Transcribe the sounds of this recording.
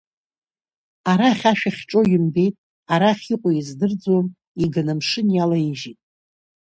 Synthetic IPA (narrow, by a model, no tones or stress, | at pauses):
aɾaχʲaʃᶣaχʲʈ͡ʂʼo̞jɪmbe̞jtʼ | aɾaχʲiqʷʼoizdɨrd͡zwom | iɡanamʂɨnjalaiʒitʼ